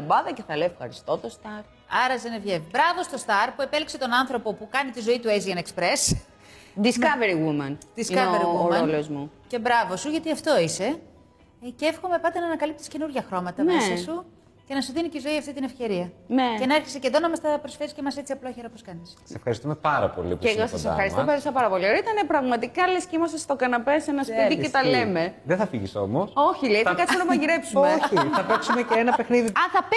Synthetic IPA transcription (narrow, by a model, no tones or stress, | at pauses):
ɐbɐðɐceθɐleofxɐɾist̪ot̪ost̪ɐɾ | ɐɾɐzenevʝevibɾɐvo̞st̪o̞st̪ɐɾpue̞pelikse̞t̪o̞nɐnθɾo̞po̞pukɐnit̪izo̞it̪ueziɐnekspɾe̞s | d̪iskɐveɾiɣumɐnd̪isiɐeɾiɣuɾɐolozmu | ce̞bɾɐvo̞suʝɐt̪iɐft̪o̞ise̞ | ceefxo̞me̞pɐt̪e̞nɐːnɐkɐlip̚t̪i̥sce̞nuɾʝɐxɾo̞mɐt̪ɐmesisu | ce̞nɐsuðinit̪izo̞iɐft̪it̪ine̞fce̞ɾiɐne̞cenɐeɾçeseceðonɐmɐst̪ɐpɾosfeɾiscemɐset͡siɐploçeɾɐposkɐnisssefxɐɾist̪umepɐɾɐ̰po̰lḭpeossefxɐɾist̪opeɾisɐpɐɾɐpo̞lioɾit̪ɐnepɾɐɣmɐt̪ikɐlescimɐst̪ɐst̪o̞kɐnɐpesenɐspiðicet̪ɐle̞me̞ðeθɐfiʝiso̞̰moso̞çileiikɐt̪t͡ssiponɐmɐʝiɾe̞psumeoçiθɐpeksumeceenɐpe̞xniðiɐnθɐp